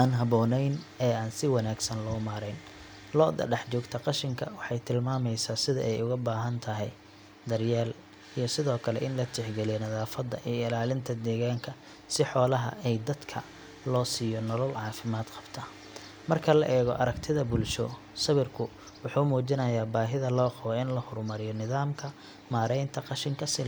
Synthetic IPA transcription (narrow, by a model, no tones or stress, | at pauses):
ʔaːnɦɐβɔːnɛjnɛːaːnsɪwɑnaːɡsɐnlɔːmaːɾɛjn | lɔːd̪ɐ̰ɖɛħt͡ʃɔːɡt̪ʰɐqɑʃɪŋkʰɐwɑħɑjt̪ʰɪlmaːmɛjsaːsɪðɐʔɛjʊɣɐbaːɦɐnt̪ʰɐɦɛj | d̪ɐrjaːl | ijɞsɪðɔːkʰɐlɛ̰ʔɪnlɐt͡ʃ̪ʰɪħɡɛlijɛnɐðaːfɐd̪ɐ̰ʔijɔɪlaːlɪnt̪ʰɐd̪ɛːɣaːŋkʰɐ | sɪħɔːlɐɦɐ̰ʔɛjd̪ɐd̪kʰɐ | lɔːsiːjɔnɔlɔlʕɑːfɪmaːd̪qɑ̥b̥t̪ʰɐː | mɐrkʰɐlɐʔɛːɣɔ̰ʔɐɾɐɡt̪ʰɪðɐbʊlʃɔ̰ | sɐβɪrkʰʊ | wʊħuːmuːt͡ʃɪnɐjaːbaːɦɪðɐlɔːqɔβɛɪnlɐhɔrmɐɾɪjɔnɪðaːmkʰɐ | maːɾɛjnt̪ʰɐqɑʃɪŋkʰɐsɪ